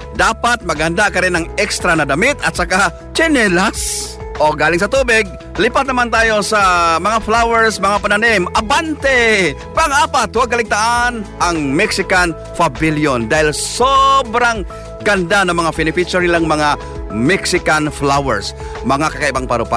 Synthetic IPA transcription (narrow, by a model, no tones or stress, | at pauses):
d̪aːpat̪̚mɐɡhand̪akɐɾɪnɐŋɛkst̪ɾanɐd̪ɐmɪt̪ɐt̪̚saka | t͡ʃɛnɛlas | ʔoɡaːlɪŋs̬ɐt̪uːbɪɡ̚ | lipat̪̚nɐmant̪aːjosamɐŋaflawɛɹsmɐŋapananɪmʔɐbant̪ɛ | paŋaːpat̪ːuwaɡ̚kɐlɪɡ̚t̪aʔanʔaŋmɛksɪkan | fabiljond̪aːhɪlsobɾaŋ | ɡɐnd̪anɐmɐŋafɪnɪpit͡ʃoɾnɪlaŋmɐŋa | mɛksɪkanflawɛɹs | mɐŋakɐkaʔɪbaŋpaɾʊpa